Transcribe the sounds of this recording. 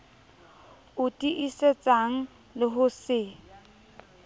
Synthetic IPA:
ʊtʼiʔiset͡sʼaŋ̩ | lɪɦʊsɪ

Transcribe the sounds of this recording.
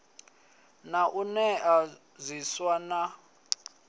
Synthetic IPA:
naʔunɛa | ziswana

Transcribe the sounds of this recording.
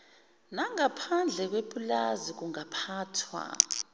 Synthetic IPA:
naŋapʰand͡ɮʱɛk̬wepʼulazik̬uŋapʰaːtʰwa̰

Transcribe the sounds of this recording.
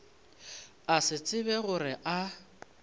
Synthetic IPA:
asɪt͡sʼɪbɛɣʊrɪʔa

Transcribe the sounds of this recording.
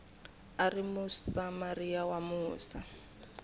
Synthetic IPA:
arimʊsamariawamuːsa

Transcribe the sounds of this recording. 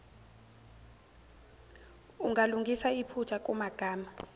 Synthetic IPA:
uŋaluŋɡʱisaipʰut͡ʃʰak̬ʼumaɡ̥ʱaːma

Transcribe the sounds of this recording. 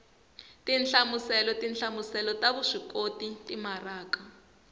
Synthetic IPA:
tinɬamusɛlɔtinɬamusɛlɔtaβuʂikotitimaraːka

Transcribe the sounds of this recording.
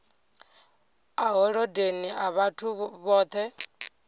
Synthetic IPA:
aɦɔɺɔdeniaβatʰuβɔːt̪ʰɛ

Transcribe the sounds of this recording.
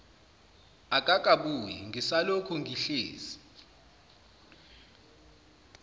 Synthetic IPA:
akʼakʼaɓujɛ̰ŋɡʱisalokʰuŋɡʱiɬḛːzi̥

